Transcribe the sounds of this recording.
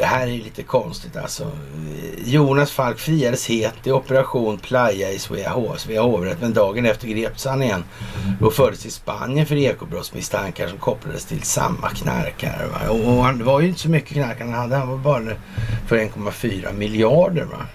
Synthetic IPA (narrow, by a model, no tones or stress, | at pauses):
d̥̪ɛhæːɾæɾjliːt̪əkʰɔnst̪ɪt̪ʰa̰lsɔ̰ | juːnasfalkfɾiːad̪əsheːt̪ːɪɔpəɾaɧuːnpʰlajːaɪsvḛhosveːahoːvɾɛt̪mɛnd̪ɑːɡənɛft̪əɾɡɾeːp̚t̪əshanɪjɛnːd̪ɔfœɖəst̪ʰɪspa̰njənfœɾeːkʊbɾɔt̪smɪ̰st̪ʰaŋkaʂɔmkʰɔpːla̰d̪əst̪ʰɪlsa̰mːa̰kʰna̰ɾkʰa̰ɾ̰va̰ɔːhanvaɾjʏɪnt̪əsɔmʏkːəkʰnaɾkaɾanhad̪ːəhanvabɑːɾa | pʰɔɾɛnkʰɔmːafyːɾa̰mɪljɑːɖə̰ɾva̰